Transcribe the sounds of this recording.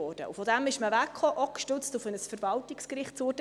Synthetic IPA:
ɔːrd̥ə̰ʔufɔd̥æmɪʃməvækχɔʔɔkʃtʏt͡stufənəsfəɾvɑltɪkskɾɪχtt͡suːt

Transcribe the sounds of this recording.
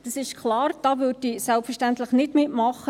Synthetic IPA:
d̥ɑsɪʃkʰlɑːrd̥ɑːʋʏtisɛlpfərʃtænt̪ləχnɪtmɪtmɑχːə

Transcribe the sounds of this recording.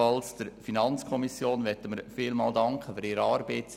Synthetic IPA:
ɑlsd̥əɾfinɑnt͡skʰɔmisjoːnʋɛtːəməɾfiːlmɑ̰ːldɑŋkχəfyɾɪːɾəɑːɾbeːts

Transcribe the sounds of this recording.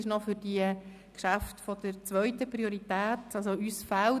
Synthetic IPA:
ɪʃnɔfʏɾd̥iə | kʃaftfɔd̥əɾt͡sʋœʏtəprioɾitæːtɑls̬oysfal

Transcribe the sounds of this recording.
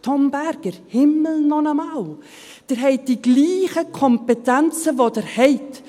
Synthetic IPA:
tʰɔmbɛɾɡ̥əɾhɪml̩nɔnəmaw | d̥əɾɦɛɪt̚d̥iɡliːχəkʰɔmpetɛnt͡səvodəɾhɛɪt

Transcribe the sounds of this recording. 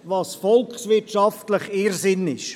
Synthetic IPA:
vɑːsfɔlkχsvɪtʃɑftləχeːɾsɪnɪʃ

